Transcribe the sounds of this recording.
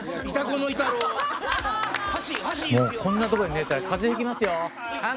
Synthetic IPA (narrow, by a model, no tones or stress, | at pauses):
it̪akonoit̪aɾo | moːkʰõ̞nːat̪o̞koɲinet̪aɾkʰazehekʲimasɨjo̞